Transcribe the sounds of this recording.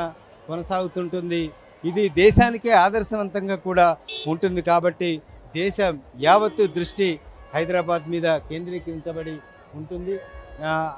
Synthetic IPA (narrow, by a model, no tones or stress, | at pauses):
ɐ | kɔnɐsaːɡut̪uɳʈund̪i | id̪id̪ɛːʃaːnikeːaːd̪ɐɾʃɐʋɐnt̪ɐŋɡaːkuːɽaːuɳʈund̪ikaːbɐʈːid̪ɛːʃɐmjaːʋɐt̪ːud̪ɾuʂʈihɐjd̪ɾaːbaːd̪miːd̪ɐke̞ːnd̪ɾikiiɲt͡ʃɐbɐɽi | uɳʈund̪i